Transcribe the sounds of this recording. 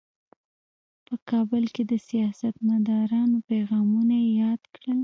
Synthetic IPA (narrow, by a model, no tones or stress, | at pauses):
pəkɑbəlked̪əsijɑsat̪mad̪ɑɾɑnopeɣɑmunajejɑd̪kɽəl